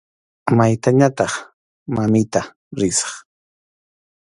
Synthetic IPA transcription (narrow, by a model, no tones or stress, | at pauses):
majt̪aɲat̪ɑχ | mamɪt̪a | ɾɪsɑ̥χ